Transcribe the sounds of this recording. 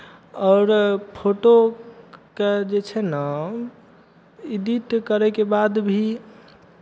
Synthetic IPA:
ɔːɾpʰoʈo | ked͡ʒet͡ʃʰɛna | id̪it̪kəɾɛkebad̪bʱi

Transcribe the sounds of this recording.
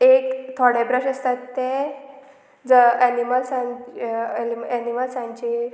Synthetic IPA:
ekt̪ʰɔɽɛbɾəɕəst̪at̪ːɛ | d͡zəɛniməlsa | imɛniməlsãɲt͡ɕe

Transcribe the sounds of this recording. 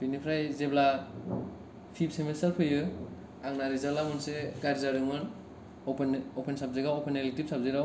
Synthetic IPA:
b̥inipʰɾajzebla | pʰip̚semensalpʰɯjɯ | aŋnaɾizalamɯnseɡaɾzaɾɯŋɯn | ɔpʰenɔpʰensap̚ziɡaɔpʰenelektip̚sap̚ziɾaw

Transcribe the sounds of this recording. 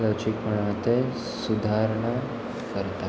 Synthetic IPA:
lod͡ʑikməɳ̃at̪e | sud̪ʱaɾɳə | kəɾt̪a

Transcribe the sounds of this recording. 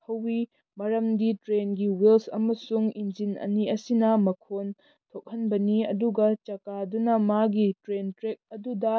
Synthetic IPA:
hɐwi | mɐɾɐmditɾenɡiwilsɐ̰mɐsuŋind͡ʒinɐ̰niɐsinɐmɐkʰon | tʰok̚hɐnbɐniɐ̰duɡɐt͡ʃɐkadunɐmaɡitɾentɾek̚ɐdudɐ

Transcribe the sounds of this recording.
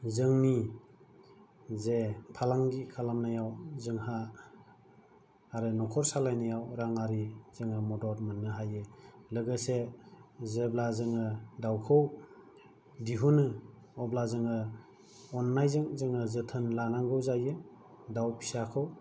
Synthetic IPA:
zɯŋni | zepʰalaŋɡikʰalamnajawzɯŋha | ɾɯnɔkʰɔɾsalajnajawɾaŋaɾizɯŋɯmɔdɔɾmanːɯɦajɯlɯɡɯse | zeblazɯŋɯdawkʰɯw | diɦunɯ | ɔblazɯŋɯ | ɔnːajzɯŋzɯŋɯzɯtʰɯnlanaŋɡɯwzajɯ | dawpʰi̥sakʰɯw

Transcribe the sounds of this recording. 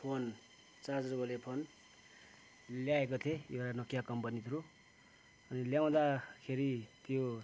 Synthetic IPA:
pʰon | t͡sad͡zrbʌlepʰon | ljaekot̪ʰejeɾanʌkjakʌmpʌnit̪ʰɾu | ʌniljaw̃d̪akʰeɾit̪jo

